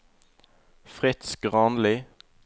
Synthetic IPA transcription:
fʁɪt̪skʁɑːnlɪ

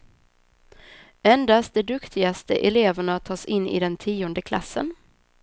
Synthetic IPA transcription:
ɛnd̪ast̪̚d̪ɛd̪ɵkt̪ʰɪɡast̪əʔɛleːvəɳat̪ʰɑːsɪnːɪ̰d̪ɛnt̪ʰiːɔnd̪əkʰla̰sːə̰n

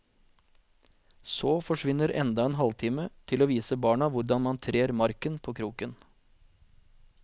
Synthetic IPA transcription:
soːfɔʂʋɪnːəɾʔɛ̰nd̪ɑeːnɦɑlt̪ʰɪːmət̪ʰɪloːʋiːsəbɑːɳɑʋʊɾɖɑnmɑnt̪ʰɾeːɾmɑɾkənpʰoːkʰɾuːkən

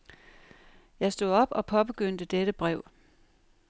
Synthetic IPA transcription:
jɑ̈ɪsd̥o̝ðˠɒ̽b̥ɒ̽pʰɒ̽b̥e̝ɡ̥øn̰d̥əd̥eɾ̥əb̥ʁɛʊ̰

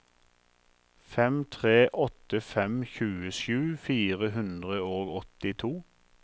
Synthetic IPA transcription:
fɛmt̪ʰʁeːʔɔt̪əfɛmçʉːəʃʉːfiːʁəɦʉnd̪ʁəoːɡɔt̪ɪt̪ʰuː

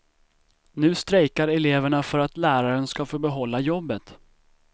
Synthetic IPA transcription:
nʉ̟ːst̪ɾɛjkaɾɛleːvəɳafœɾat̪læːɾaɾənskafoːbɛɦɔlːajɔbːət̪

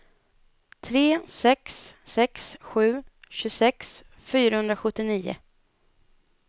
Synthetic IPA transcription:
t̪ʰɾeːsɛksːɛksɧʉ̟ːɕɵsɛks | fyːɾahɵnd̪ɾaɧɵt̪ːɪniːʊ̰

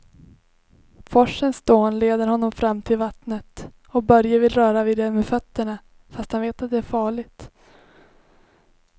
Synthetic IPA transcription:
fɔʂənsd̪oːnleːd̪əɾɦɔnːɔmfɾamːt̪ʰɪlvat̪nət̪ | ɔk̚bœɾjəvɪlɾœːɾavɪːd̪ɛmeːfœt̪ːəɳa | fast̪hanveːt̪at̪̚d̪ɛæɾfɑːɭɪɡ̚t̪

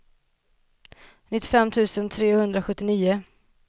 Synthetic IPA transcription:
nɪt̪ːɪ̥fɛmːt̪ʰʉ̟ːsənt̪ʰɾeːhɵnd̪ɾaɧɵt̪ːɪniːʊ

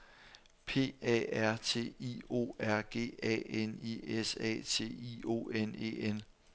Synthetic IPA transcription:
pʰe̝̰ːɛ̰ːæɐ̰t͡sʰe̝̰ːio̝̰ːæɐ̰ɡ̥e̝̰ːɛ̰eniesɛ̰ːt͡sʰe̝̰ːio̝̰ːene̝̰en

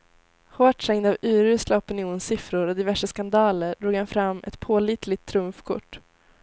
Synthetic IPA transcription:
hoːʈʂɛŋd̪avʉ̟ːɾʉ̟ːslaɔpɪnɪuːnsɪfɾʊɾɔd̪ɪvæʂəskand̪ɑːləɾɖɾuːɡhanfɾamːʔɛ̰t̪pʰoːliːt̪ʰlɪt̪ʰːɾɵmfkʰʊ̰ʈː

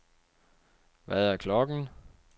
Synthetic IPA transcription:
ʋæðˠæɐkʰlɒ̽ɡ̥n̩

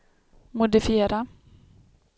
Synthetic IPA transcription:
mʊd̪ɪfɪeːɾa

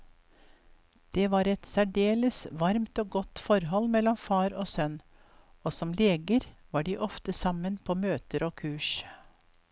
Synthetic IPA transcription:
d̪̥eːʋɑːɾɛt̪sæɖeːləsʋɑɾmt̪oːɡɔt̪ːfɔɾɦɔlːmɛlɔmfɑːɾoːsœn | oːsɔmleːɡəɾʋɑːɖiːʔɔft̪əsɑmənpʰoːmøːt̪əɾoːkʰʉːʂ

